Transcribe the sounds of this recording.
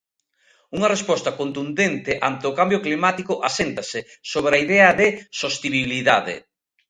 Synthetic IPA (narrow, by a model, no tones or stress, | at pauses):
uŋɐrespɔst̪ɐkont̪und̪ent̪ɪʔa̰nt̪ɪʊkambjʊklimat̪ikʊʔasent̪ɐsɪ | soβ̞ɾɐiðɛɐðɪsost̪iβiβiliðaðḛ